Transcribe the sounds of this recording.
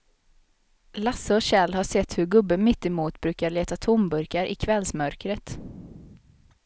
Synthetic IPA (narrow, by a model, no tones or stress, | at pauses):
lasːəɔɕɛlhaʂɛt̪ːhɵɾɡɵbːəmɪt̪ːɛmuːt̪bɾʉ̟ːkaɭeːt̪at̪ʰʊmbɵɾkaɾʔɪ̰kʰvɛlsmœɾkɾət̪